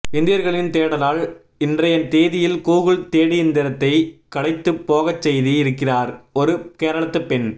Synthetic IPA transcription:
ɪnd̪ɪjɐɾɣɐɭɪnt̪eːɽɐlaːl | ɪndrɐjɐnt̪eːðɪjɪlkuːɣɯɭt̪eːɽiɪnd̪ɪɾɐt̪ːɐɪkɐɽɐɪt̪ːɯpːoːɣɐt͡ʃːɛjðiɪɾɯkːɪraːɾɔɾɯkeːɾɐɭɐt̪ːɯpːɛn

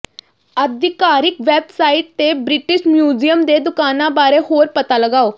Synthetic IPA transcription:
əd̪ʱikaɾikʋebsaiʈ̚t̪ebɾiʈiɕmjuːd͡ʑijəmd̪ed̪ukanabaɾehoːɾpət̪aləɡao

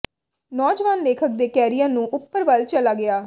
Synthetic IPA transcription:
nɔːd͡ʒʋaːnleːkʰək̚d̪eːkɛːɾijãːnũːʔʊpːəɾʋəlt͡ʃəlaːɡɪaː

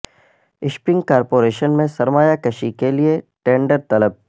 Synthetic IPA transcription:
ɪʃpɪ̃ŋɡkaːɾpoːɾeːʃənmẽsɐɾmaːjakɐʃikelieʈẽːɳɖəɾt̪ɐləb̚

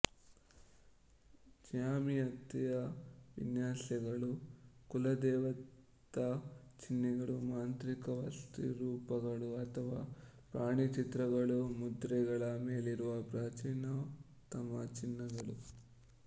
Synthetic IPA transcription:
d͡ʒjaːmiɐt̪ːijɐʋḭnjaːsɐɡɐɽukulɐd̪ɛːʋɐ | t̪ɐt͡ʃinːiɡɐɽumaːnt̪ɾikɐʋɐ̰st̪ḭɾuːpɐɡɐɽuɐt̪ʰɐʋaːpɾaːɳit͡ʃit̪ɾɐɡɐɭumud̪ɾɛɡɐɭɐmeːliɾuʋɐpɾaːt͡ʃiːnɐ | t̪ɐmɐt͡ʃinːɐɡɐɽu

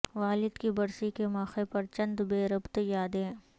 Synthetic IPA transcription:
ʋaːlɪd̪kibɐɾsikemaːxepɐɾt͡ʃɐ̃nd̪beːɾɐbt̪jaːd̪ẽː

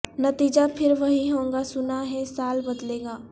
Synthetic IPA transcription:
nɐt̪iːd͡ʒapʰɪɾʋɐɦĩɦõːŋɡasʊnaɦɛsaːlbɐd̪leːɡaː

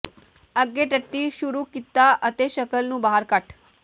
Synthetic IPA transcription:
əɡːeʈəʈːiːʃuɾuːkit̪ːaʔət̪eɕəkəlnũːbaɦaɾkaʈ

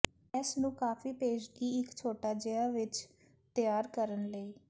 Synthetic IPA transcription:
ɛːsnũːkaːfiːpeːd͡ʒɡiːɪkt͡ʃʰoːʈaːd͡ʒəaːʋɪt͡ʃ | t̪ɪjaːɾkəɾənləiː

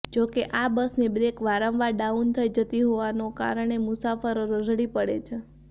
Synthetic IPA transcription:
d͡ʒokeʔabəsnibɾekʋaɾə̃ʋʋaɖaunt̪ʰəid͡ʒət̪iɦoʋanoka̰ɾəɳ̃emʊsafəɾoɾəd͡ʒɽipəɽet͡ʃʰe

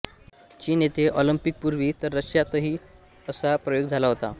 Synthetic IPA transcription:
t͡ɕiːnet̪ʰeʔɔləmpik̚puɾʋiːt̪əɾːəɕjat̪əɦiː | əsapɾəjoɡd͡zʱalaɦot̪a̰

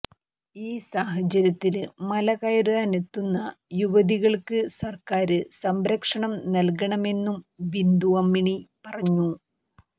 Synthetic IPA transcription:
iːsaːɦɐt͡ɕːɐɾɐt̪ːilmɐlɐɣɐjɐɾuaːnet̪ːunːɐjuʋɐðiɣɐɭkɨsɐrkaːɾɨsɐmɾɐkʂɐɳɐmnɐlkɐɳɐme̞nːumʋind̪uɐmːiɳipɐrɐɲːu

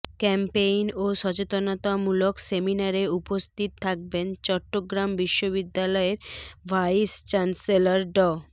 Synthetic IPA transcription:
kɛmpejnoʃɔt͡ɕet̪onot̪amulokseminaɾeupost̪ʰit̪t̪ʰːak̚bent͡ɕɔʈːoɡɾambiʃːoβid̪ːalɔeɾvʱajst͡ɕanselaɾɖɔ

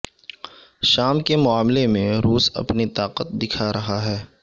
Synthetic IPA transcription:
ʃaːmkemʊaːmlemẽɾuːsɐ̰pnit̪aːqət̪̚d̪ɪkʰaɾɐɦaɦɛː

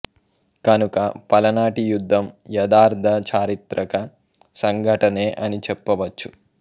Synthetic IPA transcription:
kɐnukɐpɐlɐnaːʈijud̪ʱːɐmjɐd̪aːɾd̪ʱɐt͡ʃaːɾit̪ɾɐkɐ | sɐŋɡʱɐʈɐneːʔɐnit͡ʃɛpːɐʋɐt͡ʃːu

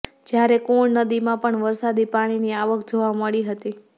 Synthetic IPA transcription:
d͡ʒjaɾekoɭnəd̪imãpəɳʋəɾsad̪ipaɽ̃iniaʋəkʰd͡ʒoʋaməɭiɦət̪i

